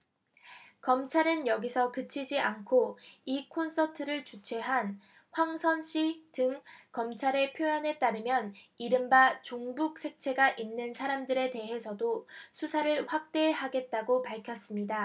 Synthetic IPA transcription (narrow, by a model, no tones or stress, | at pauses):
kʌmt͡ɕʰaɾɯnjʌɡisʰʌkɯt͡ɕʰid͡ʑiʔankʰoikʰons͈ʰʌtʰɯɾɯɭt͡ɕut͡ɕʰe̞ɦan | ɸwaŋsʰʌnɕ͈ʰitɯŋkʌmt͡ɕʰaɾe̞pʰjoanɦe̞t͈aɾɯmjʌniɾɯmbat͡ɕoŋbuk̚sʰe̞k̚t͡ɕʰe̞ɡaʔinːɯnsʰaɾamdɯɾe̞te̞ɦe̞sʰʌdosʰusʰaɾɯɭɸwak̚t͈e̞ɦaɡe̞t̚t͈aɡopaɭkʰjʌs͈ɯmɲida